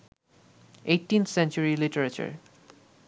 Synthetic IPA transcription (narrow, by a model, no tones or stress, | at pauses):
ejʈːint̪ʰsɛnt͡ʃuɹiliʈəɾat͡ɕa̰ɹ